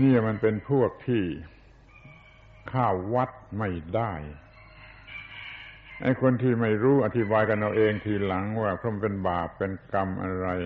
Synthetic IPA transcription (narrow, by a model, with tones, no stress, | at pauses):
niː˥˩ma˧npe˧npʰu˥˩ək̚t̪ʰiː˥˩ | kʰaː˥˩wːa˦˥t̪̚ma˥˩jdaː˥˩j | ʔa̰˧jkʰo˧nt̪ʰiː˥˩ma˥˩jɾuː˦˥ʔa˧t̪ʰi˦˩baː˧jka˧nʔa˧wʔeː˧ŋt̪ʰiː˧˩la˩˦ŋwaː˥˩kʰɾo˧˥˩mpe˧nbaː˨˩pːe˧nka˧mʔa̰˧ɾa˧j